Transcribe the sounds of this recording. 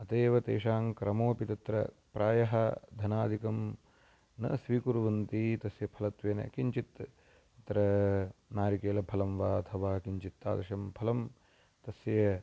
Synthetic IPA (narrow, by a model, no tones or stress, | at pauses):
ɐt̪eːʋɐt̪eːʂaːŋkɾɐmoːpit̪ɐt̪ɾɐ̰ | pɾaːjɐɦɐd̪ʱɐnaːd̪ʱikɐm | nɐ̰sʋiːkuɾʋɐnt̪it̪ɐsjɐpʰɐlɐt̪ʋeːnɐ̰kiɲt͡ʃit̪ | t̪ɾɐnaːɾikeːlɐpʰɐlɐmʋaːɐt̪ʰɐʋaːkiɲt͡ʃit̪ːa̰ːd̪ɐʃɐmpʰɐlɐm | t̪ɐsjɐ